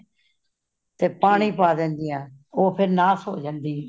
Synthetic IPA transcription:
t̪eːpaːɳiːpaːd̪ɛ̃ːnd̪iːãːoːpʰɪɾnaːsoːd͡ʒãːnd̪iː

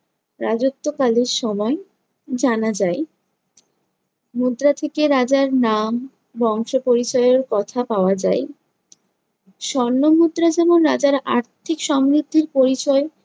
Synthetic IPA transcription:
ɾad͡ʑot̪ːokaleɾʃɔmɔe | d͡ʑanad͡ʑae | mud̪ɾat̪ʰekeɾad͡ʑaɾnam | bɔŋʃopoɾit͡ɕɔjeɾkɔt̪ʰapaoad͡ʑa̰e | ʃɔɾnːomud̪ɾad͡ʑɛmonɾad͡ʑaɾa̰ɾt̪ʰikʃɔmɾid̪ʱːiɾpoɾit͡ɕɔe

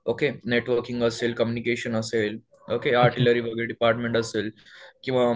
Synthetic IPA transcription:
okeneʈʋəɾkĩŋɡəseːlkəmjunikeɕənəseːl | okeaɾʈiləɾiʋəɡəɾeɖipaːɾʈmẽɳʈəseːl | kĩʋa

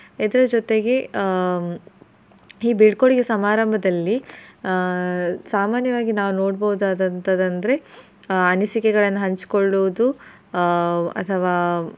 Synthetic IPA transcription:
id̪ɐɾɐd͡ʒot̪e̞ɡe̞ | iːbiɖkoɽiɡesɐmaːɾɐmbʱɐd̪ɐlːi | saːmaːnjɐʋaːɡinaːʋuno̞ːɽbɐud̪aːd̪ɐnt̪ɐd̪ɐnd̪ɐɾe̞ | ɐnisikɛɡɐɭɐnːuɦɐɲt͡ʃi̥koɭːuʋud̪u | ɐ̰t̪ʰɐʋaː

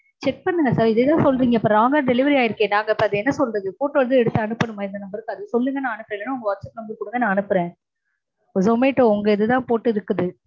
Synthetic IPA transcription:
t͡ʃɛk̚pɐnːɯŋɡɐsaːɾɪðɐt̪ãːsɔlːɾiːŋɡɐpːɐnaːŋɡɐɖɛlɪʋɐɾiaːjɪɾɯkːẽːnaːŋɡɐɪpːɐɐðɯɛnːɐsɔlrɐðɯpoːʈːʋɐðɯɛɽɯt̪ːɯɐnɯpːɐɽɯmaːɪɾd̪ɐnɐmbɐɾɯkːɯɐðɯsɔlːɯŋɡɐnãːɐnɯpːɾẽːlːɐnɯʊŋɡɐʋɐɾt͡ʃːɐt̪ːɯnɐmbɐɾɯkʊɽɯŋɡenãːɐnɯpːɯɾẽː | ʊðɐʋɐmeːɪʈːõʊŋɡɐɪðɯt̪ãːpoːʈːɯɪɾɯkːɐðɯ

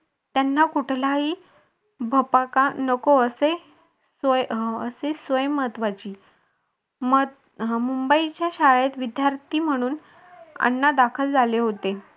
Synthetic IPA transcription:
t̪janːakuʈʰlaɦiː | bʱəpakanəkoəse | səsesʋəjməɦət̪ʋat͡ɕiː | m | mumbəit͡ɕjaɕaɭjet̪ʋid̪jaɾt̪ʰiːm̤əɽ̃uːn | a̰nːad̪akʰəld͡zʱaleɦot̪e

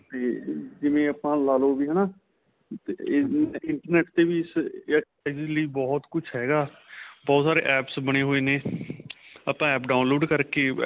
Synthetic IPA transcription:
t̪eːd͡ʒɪʋẽːəpãːlaːloːbiːɦɛːnaː | t̪e | ɪɳʈəɾnɛːʈt̪eːʋiːɪs | d͡ʒləiːbɔːt̪kʊt͡ʃʰɦɛːɡaːbɔːt̪saːɾḛːʔɛːpsbəɽ̃eːɦoːeːneː | əpãːɛːpɖaːʊnloːɖkəɾkeː

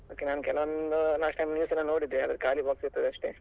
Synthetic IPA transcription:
oːkenaːnkɛlɐʋɐnd̪ulaːsʈːɐjmnjuːsɛlːɐnoːɽid̪ːeɐd̪ɐɾkaːlibaːksiɾt̪ɐd̪eɐʂʈeː

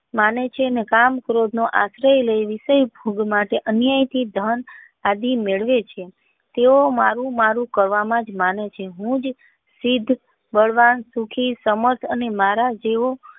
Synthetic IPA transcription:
manet͡ʃʰenekamkɾod̪noʔa̰sɾəjləjʋiʃəjbʱuɡmaʈeʔənjajt̪ʰid̪ʱən | ad̪imeɭʋet͡ʃʰe | t̪eoma̰ɾũmaɾũkəɾʋamãd͡ʒmanet͡ʃʰeɦũd͡ʒ | sid̪ʱ | bəɭʋansukʰisəməɾt̪ʰənemaɾad͡ʒeo

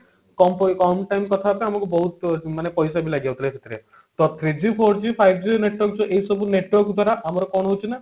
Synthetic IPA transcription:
kɔmpɔjkɔmʈajmkɔt̪ʰapeamakubɔɦut̪manepɔjsabilaɡid͡ʒawt̪ʰilekʰet̪ʰiɾe | t̪ɔt̪ʰɾid͡ʒipʰoɾd͡ʒipʰajbʰd͡ʒineʈwɔɾkd͡ʒoʔeɦjsɔbuneʈwɔɾkd̪ʱwaɾaʔamɔɾɔkɔɽ̃ɔɦot͡ʃʰina

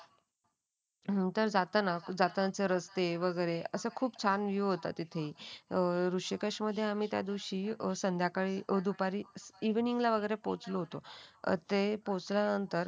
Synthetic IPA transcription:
nənt̪əɾd͡zat̪nad͡zat̪nat͡seɾəst̪eʋəɡəjɾeəsəkʰuːpt͡ɕʰanʋiɦot̪a̰t̪it̪ʰei | ɾuʂikəʂməd̪ʱːjeam̤iːt̪ja̰d̪iɕiːsənd̪ʱjakaɭid̪upaɾiiʋniŋɡlaʋəɡəjɾepot͡sloɦot̪oə̰t̪epot͡sljanənt̪əɾ

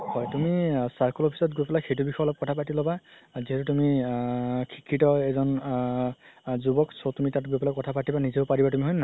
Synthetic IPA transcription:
hɔjtumisaɹkɔlɔpʰi̥sɔtɡojpɛlaxejt̬ubixɔjlɔp̚kɔtʰapatilɔbaziɦɛtutumi | kʰi̥kʰːitɔɛzɔn | zubɔksʰɔtumitatɡojpɛlakɔtʰapatibanizeʊpaɹibatumiɦɔjnna

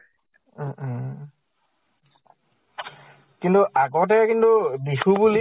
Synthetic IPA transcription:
kintuʔaɡɔt̬ɛkintubisubuli

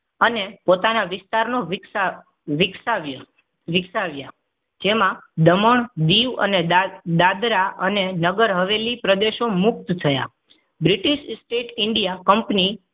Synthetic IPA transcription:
ənepot̪anaʋɪst̪aɾno | ʋɪksaʋj | ʋɪksaʋja | d͡ʒemãd̪əməɳd̪iʋə̰ned̪ad̪ɾaənenəɡəɾɦəʋelipɾəd̪eʃomʊk̚t̪t̪ʰəja̰ | bɾɪʈiʃsʈeʈɪɳɖijakəmpni

